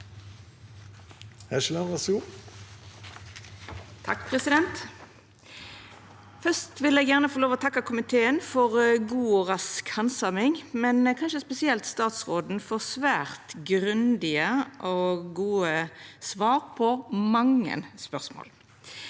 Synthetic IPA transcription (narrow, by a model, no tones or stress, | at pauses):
hæʃlɑnʁɑsuː | t̪ʰɑkːpʰʁɛsɪd̪ɛnt̪ | fœst̪ʋɪlɛːɡjæʁnəfɔʁloːʋɔt̪ʰɑkːɑkʰʊmɪt̪ʰeːənfɔʁɡuːɔʁɑskhɑnsɑmɪŋmɛnkʰɑnʃəspɛsɪɛlt̪st̪ɑːt̪sʁoːd̪n̩fɔʁsʋæːʁt̪ɡʁʉnd̪ɪəʔoɡuːəsʋɑːʁpʰɔmɑŋːə̰nspœʁsmo̰ːl